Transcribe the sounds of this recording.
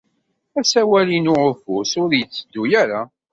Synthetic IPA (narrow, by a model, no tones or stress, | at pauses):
æsæwælinʊʕʊfʊsʊɾjət͡sːəd̪ːujæɾa